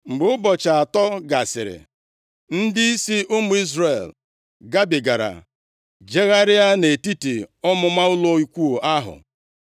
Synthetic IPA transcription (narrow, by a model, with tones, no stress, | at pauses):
ŋ͡m̩˨ɡ͡bʊ˦ʊ˦bɔ˨t͡ʃa˨a˨tɔ˦ɡa˨sɪ̰˨ɾɪ̰˨ | n̩˦dɪ˦i˦si˦ʔʊ˦mʊ˨i˦zre˨l | ɡa˦bɪ˨ɡa˨ɾa̰˨ | d͡ʒe˦ɣa˦ɾɪ˦a˦ne˨ti˦ti˨ɔ˦mʊ˦ma˦ʊ˦lo˦i˨kʷu˦o˨ʔa˦ɦʊ̰˨